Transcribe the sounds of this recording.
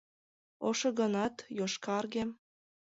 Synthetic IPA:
oʃɤ̆ɣɤ̆nɑt̪joʃkɑrɣem

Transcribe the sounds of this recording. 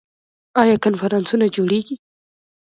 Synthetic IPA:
ʔajakɐnfɐɾɐnsunad͡ʒuːɽikʲi

